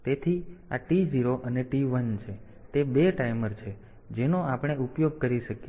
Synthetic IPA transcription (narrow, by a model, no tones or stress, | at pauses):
t̪et̪ʰia̰ʈiziɾoʔəneʈiʋənt͡ʃʰe | t̪ebeʈajməɾt͡ʃʰe | d͡ʒenoapɽ̃eupjoɡ̚kəɾiʃəke